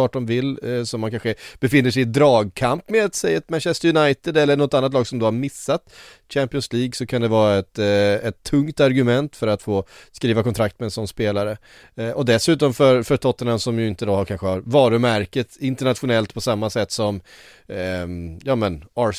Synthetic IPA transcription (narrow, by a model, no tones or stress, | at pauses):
ɑːʈ̚dɔmvɪlːsɔmːankanɧəb̥ɛfɪnːəʂɛjɪd̪ɾɑːɡ̚kʰampmɛat̪sɛjːat̪mænɕɛst̪əɾjʊnajt̪ɪd̪ɛlːəɳɔt̪ːanːat̪lɑːɡsɔmd̪ohaɾmɪsːat̪ | ɕæmpɪɔnsliːɡsɔkʰand̪ɛvɑːɾaɛt̪ɛt̪ʰːɵŋt̪aɾɡɵmɛnt̪fœɾat̪foːskɾiːvakʰɔnt̪ɾak̚t̪mɛːnsɔnːspeːlaɾə | ʔɔd̪ɛsʉ̟ːt̪ɔmfœɾfœɾt̪ʰɔt̪ːənansɔmjɵɪnt̪əd̪ɔhakʰanɧəhaɾvɑːɾɵmæɾkət̪ɪnt̪əɳat̪ɧʊnɛlt̪pʰɔsamːasɛt̪ːsɔm | jɑːmənɑ